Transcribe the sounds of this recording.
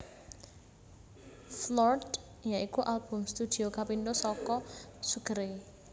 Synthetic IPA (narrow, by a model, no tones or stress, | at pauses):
flɔrd | jaikuʔalb̥ʊ̤mst̪ud̪̥i̤okapind̪osɔkɔsuɡ̥əɾe